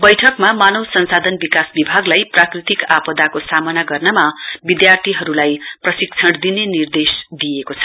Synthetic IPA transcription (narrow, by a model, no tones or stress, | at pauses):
bʌjʈʰʌkmamanʌwsʌnsad̪ʱʌnbikasbibʱaɡlajprakrit̪ikapʌd̪akosamʌnaɡʌrnʌmabid̪jart̪ʰiɦʌɾulajprʌsik̚t͡sʰʌɽd̪inenird̪esd̪ijekot͡sʰʌ̥